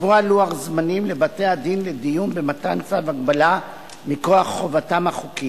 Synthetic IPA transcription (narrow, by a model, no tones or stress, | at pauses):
vualuaχzmanimle̞bate̞ad̪inle̞dijunbe̞matant͡savaɡbala | miko̞aχːo̞vatamhaχuki